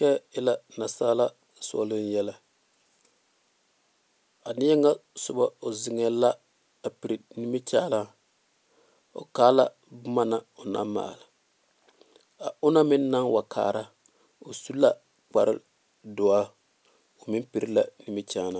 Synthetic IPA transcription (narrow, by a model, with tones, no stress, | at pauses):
kɛ˦ɪ˦la˦na˨saː˦la˦ | sɔ̰˦lɪ˦n˦jɛ˦la˨ | a˨nɪ˦a˦ŋa˦sʊ˨ba˦o˨zɪ˨ŋɛ˨la˦ | a˨pi˨ɾi˨nɪ˦mi˦t͡ʃaː˦la˦ | o̰˨kaː˦la˦ | bʊ˦ma˦na˨ʊ˨na̰˦mmːa̰ː˨lɪ˨ | a˨ʊ˦na˦mɪ˦nː˦a˦ŋwa˨kʰa̰ː˨ɾa˦ | o˨su˦la˦ | k͡pa˨ɾɪ̰˦ | dʊ˨a˦ | o˨mɪ˦m˦pi˨ɾi˦la˨nɪ˦mɪ˦t͡ʃaː˦na˦